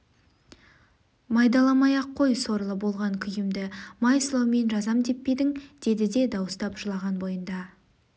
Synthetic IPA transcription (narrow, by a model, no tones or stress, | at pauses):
mɑjd̪ɑlˠɑmɑjɑqʰːo̞jso̞ɾlˠəbo̞lˠʁɑŋkʲʰʏjɪmd̪ɪmɑjslˠɑwme̞nʒɑzɑmd̪e̞pːe̞d̪ɪŋd̪̥e̞d̪ɪd̪e̞d̪ɑwəst̪ɑpʒ̥əlˠɑʁɑnbo̞jənd̪ɑ